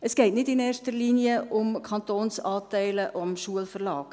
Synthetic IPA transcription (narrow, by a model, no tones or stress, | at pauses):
əsɡ̥ɛɪtnɪdɪneːrʃtəɾliːniəʔʊmkʰɑntoːnsɑːtɛɪləʔmʃuəlfərlɑːk